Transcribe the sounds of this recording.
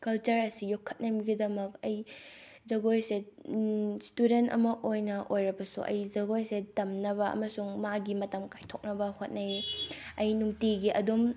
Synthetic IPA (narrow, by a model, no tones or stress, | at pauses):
kɐlt͡ʃɐɾɐsijokʰːɐ̥t̚nɐmiɡidɐmɐk̚ɐjzɐɡojse | studentɐ̰mɐʔojnɐʔojɾɐbɐsṵʔɐ̰jzɐɡojsetɐmnɐbɐɐ̰mɐsuŋmaɡimɐtɐmkajtʰok̚nɐbɐhot̚nɐjɐjnuŋtiɡiʔɐdum